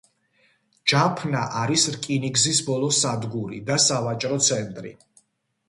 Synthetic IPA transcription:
d͡ʒapʰnaʔaɾisɾkʼiniɡzisbɔlˠɔsad̪ɡuɾḭd̪asavat͡ʃʼɾɔt̪sʰɛnt̪ʼɾḭ

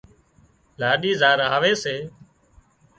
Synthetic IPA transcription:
laːɗiːzaːɾaːʋeːseː

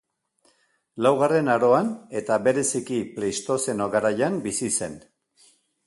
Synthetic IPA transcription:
lawɣare̞naɾo̞ane̞t̪aβe̞ɾe̞sikiplejst̪o̞se̞no̞ɣaɾajambisise̞n

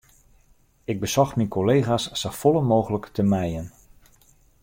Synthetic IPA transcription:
ɪɡ̚bəsɔxminkʰoleːχasːofɔlənmoːɣələktəmɛjən

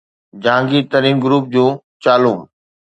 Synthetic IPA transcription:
d͡ʑãːŋɡit̪ɐɾiːnɡʊɾuːp̚d͡ʑũː | t͡ɕaːlũː

